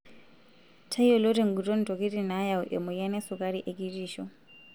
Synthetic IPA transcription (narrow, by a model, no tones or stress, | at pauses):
tʰaiɔlɔtɛŋɡutɔn̩tɔkitinajauʔɛ̰mɔjanɛsukaɾiʔɛkitiʃɔ